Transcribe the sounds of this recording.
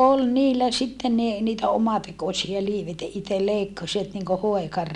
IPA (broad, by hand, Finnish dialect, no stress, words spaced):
ol niːlːæ sitːem ni niːtæ omɑtekosiɑ liːʋ etːæ itel leikːɑsiʋɑt niŋko hoekɑr